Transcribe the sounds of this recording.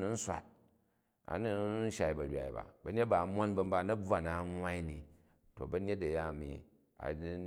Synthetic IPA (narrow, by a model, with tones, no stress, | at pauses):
nu˨n̩˦sʷa̰˨t̚ | a̰˨nu˦n̩˦ʃa˨i˨bɐ˨ɾʲa̰˨ḭ˨ba̰˨bɐ˦ɲe˦t̚ba˨mo˦nbɐ˦m̩˦ba˦˨nɐ˦b͡va˨na˨˦ŋwa˦i˦ni˨ | to̰˨bɐ˦ɲ˦e˦tɐ˨ja˦˨mḭ˨ | a̰˨˦